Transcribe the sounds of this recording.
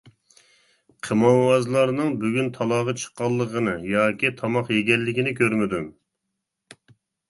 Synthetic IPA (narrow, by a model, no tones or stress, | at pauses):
qʰəmɑwɑzlˠɑɾnɨŋbyɡʲynt̪ʰɑlˠɑːʁɑt͡ʃʰə̥qːɑlˠːəʁənɨjɑːkʲit̪ʰɑmɑqjeɡʲɛlːɪkʲinɪkʲøɾmɪd̪ym